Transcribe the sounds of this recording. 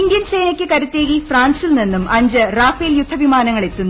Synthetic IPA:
ind̪jɐnsejnɐkʲːɨkɐɾut̪ːeːɣifraːnsilninːumɐɲd͡ʑɨraːfeːljud̪ʱːɐʋimaːnɐŋːɐɭe̞t̪ːunː

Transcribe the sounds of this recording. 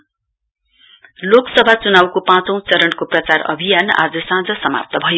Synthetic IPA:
loksʌbʱat͡sunawkopãt͡sʌ̃w̃t͡sʌɾʌɳkoprʌt͡sarʌ̰bʱijana̰d͡zʌsãd͡zʌsʌma̰p̚t̪ʌbʱʌjo

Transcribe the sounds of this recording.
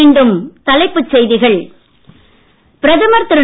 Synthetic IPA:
iːɳɖɯmt̪ɐlɐɪpːɯt͡ʃsɛjðɪɣɐɭ | pɪɾɐðɐmɐɾt̪ɯɾɯ

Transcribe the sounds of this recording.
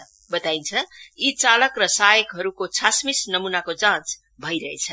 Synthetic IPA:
bət̪aint͡sʰʌit͡saləkɾʌsajəkɦʌɾukot͡sʰasmisnʌmunakod͡zãnt͡s | bʱʌiɾʌɦḛt͡sʰʌ

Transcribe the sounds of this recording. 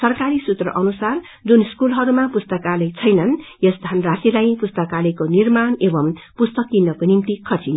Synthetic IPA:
sʌrkaɾisut̪rʌ̰ʔʌnusar | d͡zunskulɦʌɾumapust̪ʌkalet͡sʰʌjnʌnjʌsd̪ʱanrasilajpust̪ʌkalekonirmanebʌmpust̪ʌklinːʌkonimt̪ikʰʌt͡sin

